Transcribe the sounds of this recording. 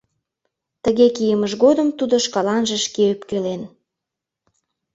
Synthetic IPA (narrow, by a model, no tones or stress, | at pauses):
t̪əɣekijəməʃɣod̪əmt̪ud̪oʃkɑlɑnʒə̆ʃkeypkelen